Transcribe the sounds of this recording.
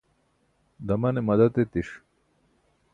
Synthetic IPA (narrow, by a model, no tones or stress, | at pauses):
d̪ɐmɐnemɐd̪ɐt̪et̪iʂ